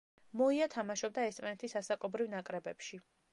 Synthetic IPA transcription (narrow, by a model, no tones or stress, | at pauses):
mɔiat̪ʰamaʃɔb̚d̪aɛsʼmanɛt̪ʰisasakʼɔbɾivnakʼɾɛbɛpʃi